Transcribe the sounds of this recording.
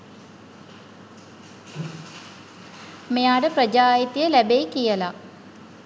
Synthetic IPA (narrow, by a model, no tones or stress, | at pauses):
mejaːɽeprɐd͡ʑaːjɐt̪ːjɐlɐbejkijɐlɐ